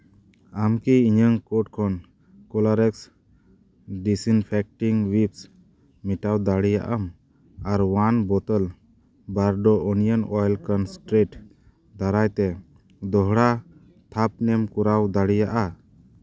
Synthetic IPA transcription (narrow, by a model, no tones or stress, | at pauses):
amkiiɲəŋkɔʈ̚kʰɔn | kɔlaɾɛks | ɖisinpʰɛk̚ʈiŋwips | miʈawd̪aɽija̰ʔəm | aɾwanbɔt̪əl | baɾɖɔɔnijənɔjlkənsʈɾeʈ | d̪aɾajt̪ɛ | d̪ɔɦɽa | t̪ʰap̚nɛmkuɾawd̪aɽijaʔa